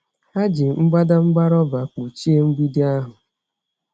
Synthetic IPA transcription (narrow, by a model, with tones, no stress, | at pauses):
a˦d͡ʒɪ˨ŋ͡m̩˦ɡ͡ba˦da˦ŋ͡m̩˦ɡ͡ba˦ɾɔ˦ba˨k͡pu˨t͡ʃi˦e˦ŋ͡m̩˦ɡ͡bi˦di˦a˦ɦʊ˨